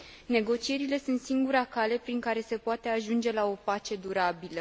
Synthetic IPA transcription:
ne̞ɡo̞t͡ʃije̞ɾile̞sunt̪siŋɡuɾakale̞pɾiŋkaɾe̞se̞poat̪e̞aʒund͡ʒe̞lao̞pat͡ʃe̞d̪uɾabilə

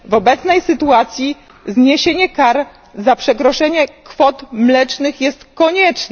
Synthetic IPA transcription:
vɔbɛt̪snɛjsɘt̪uat̪sʲji | zɲeɕeɲɛkaɾ | zapʂɛkɾɔʂɛɲɛkfɔt̪mlɛt͡ʂnɘxjɛst̪kɔɲɛt͡ʂnɛ

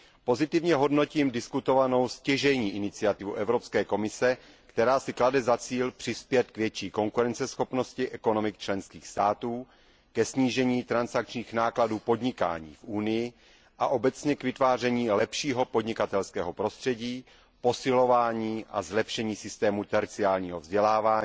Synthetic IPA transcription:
po̞zɪt̪ɪvɲɛɦo̞dno̞ciːmdɪskut̪o̞vano̞wscɛʒɛɲiːʔɪnɪt͡sɪat̪ɪvuʔɛvɾo̞pskɛːko̞mɪsɛ | kt̪ɛɾaːsɪkladɛzat͡siːlpr̝̥ɪspjɛt̪kvjɛt͡ʃiːko̞ŋkuɾɛnt͡sɛsxo̞pno̞scɪʔɛko̞no̞mɪk̚t͡ʃlɛnskiːxst̪aːt̪uː | kɛsɲiːʒɛɲiːt̪ɾansak̚t͡ʃɲiːxnaːkladuːpo̞dɲɪka̰ːɲḭːfʔunɪjɪ | ʔaʔo̞bɛt͡sɲɛkvɪt̪vaːr̝ɛɲiːlɛpʃiːɦo̞podɲɪkat̪ɛlskɛːɦo̞pɾo̞st̪r̥ɛɟiː | po̞sɪlo̞vaːɲiːʔa̰zlɛpʃɛɲiːsɪst̪ɛːmut̪ɛɾt͡sɪaːlɲiːɦovzɟɛlaːvaːɲiː

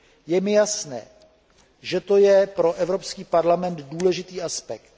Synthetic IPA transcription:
jɛmɪjasnɛ̰ː | ʒɛt̪o̞jɛpɾo̞ʔɛvɾo̞pskiːpaɾlamɛnt̪duːlɛʒɪt̪iːʔaspɛk̚t̪̚

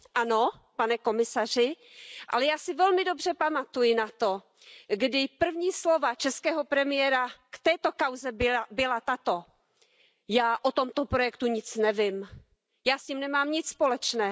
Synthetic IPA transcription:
ʔano | panɛko̞mɪsar̝ɪ | ʔa̰lɛjaːsɪvɛlmɪdo̞br̝ɛpamat̪ujɪnat̪o | ɡdɪpr̩vɲiːslovat͡ʃɛskɛːɦopɾɛmɪjɛɾakt̪ɛːt̪o̞kawzɛbɪbɪlat̪at̪o̞ | jaːʔot̪o̞mt̪opɾo̞jɛkt̪uɲɪt͡snɛvɪm | jaːsɲimnɛmaːmɲɪt͡sspolɛt͡ʃnɛː

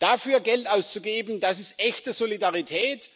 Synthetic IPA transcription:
d̥afyːɐɡɛltʔaʊst͡suɡeːbn̩d̥asɪstʔɛçtəzolidaʁitʰɛːt

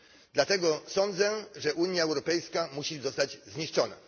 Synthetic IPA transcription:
d̪lat̪ɛɡɔsɔnd̪zɛʐɛʔuɲjaɛwɾɔpɛjskamuɕizɔst̪ad͡ʑzɲiʂt͡ʂɔna̰

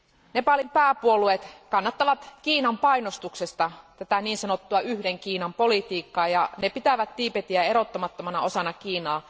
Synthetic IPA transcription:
nepɑlimpæːpuoluet̪kɑnːɑt̪ːɑʋɑt̪kiːnɑmpɑinost̪uksest̪ɑt̪æt̪æniːnsɑnot̪ːuɑyhdeŋkiːnɑmpolit̪iːkːɑːjɑnepit̪æʋæt̪t̪iːpet̪iæeɾot̪ːomɑt̪ːomɑnɑosɑnɑkiːnɑː

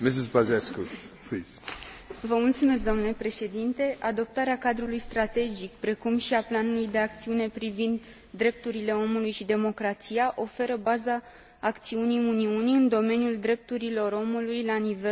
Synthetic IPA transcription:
mes̬usbazesku | fi | vəmult̪sume̞s̬k̚d̪o̞mnule̞pɾe̞ʃe̞d̪int̪e̞ʔad̪o̞p̚t̪aɾeakad̪ɾulujst̪ɾat̪e̞d͡ʒikpɾe̞kumʃiaplanulujd̪e̞akt̪siune̞pɾivind̪ː | ɾe̞p̚t̪uɾile̞o̞mulujʃid̪e̞mo̞kɾat̪siaʔo̞fe̞ɾəbazaː | kt̪siuniuniuniɨnd̪o̞me̞njuld̪ɾe̞p̚t̪uɾilo̞ɾo̞mulujlanive

